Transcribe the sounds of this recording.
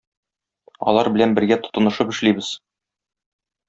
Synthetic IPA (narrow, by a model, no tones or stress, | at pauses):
ɒ̰lˠɑɾbɘ̆lænbɘ̆ɾɡæt̪ŏ̥t̪ɤ̆nɤ̆ʃɤpɘ̆ʃlibɘz̥